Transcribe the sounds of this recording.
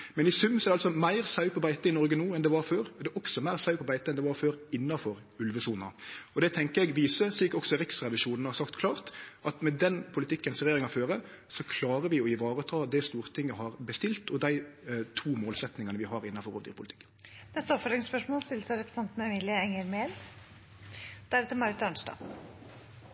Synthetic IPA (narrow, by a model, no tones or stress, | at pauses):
mɛnɪsʉmːsɔɛɛɑlsɔmæɪʁsɑʉpʰɔbæɪt̪əɪnɔɾɡənuːɛnd̪ɛʋɑɾføːɾɔd̪ɛʔɔksɔmæɪʁsɑʉpʰɔbæɪt̪əɛnd̪ɛʋɑɾføːɾɪnːɑfɔɾ | ʉlʋəsuːnɑɔd̪ɛt̪ʰɛŋkəɾɛɡʋiːsəsliːkɔksɔɾɪksɾɛʋɪʂuːnn̩hɑɾsɑkt̪kʰlɑːʁt̪ʔɑt̪mɛd̪ɛnpʰʊlɪt̪ʰɪkːənsɾɛjeːɾɪŋɑføːɾə | sɔkʰlɑːɾəʋɪɔɪʋɑːɾəɔt̪ʰɑːd̪ɛst̪uːʁt̪ʰɪŋːəhɑʁbəst̪ɪlt̪ɔd̪æɪt̪ʰuːmoːlsɛt̪nɪŋɑnəʋɪhɑɾɪnːɑfɔɾɔ̰ːʋd̪ḭːɾpʊlɪt̪ɪ̥k̪ː | nɛst̪əɔpfɔɖɪŋspœʂmoːlst̪ɪlːəsəɾɛpɾəsɛnt̪nəɛmiːlɪəɛŋəɾmeːl | d̪̥æɾɛt̪əmɑɾət̪ɑɳsʈɑ̰ː